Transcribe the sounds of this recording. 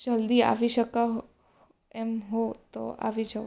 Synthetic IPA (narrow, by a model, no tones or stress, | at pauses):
d͡ʒəld̪ia̰ʋiʃəka | ɛmɦot̪o̰ʔa̰ʋid͡ʒʰə